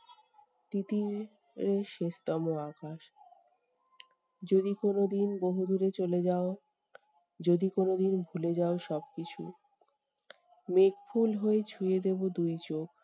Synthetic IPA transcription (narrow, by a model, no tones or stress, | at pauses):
t̪it̪i | ɾeʃeʃt̪ɔmoakaʃ | d͡ʑod̪ikonod̪inboɦud̪uɾet͡ɕoled͡ʑao | d͡ʑod̪ikonod̪inbʱuled͡ʑaoʃɔb̚kit͡ɕʰṵ | mekfʰulɦoet͡ɕʰujed̪ebod̪ujt͡ɕok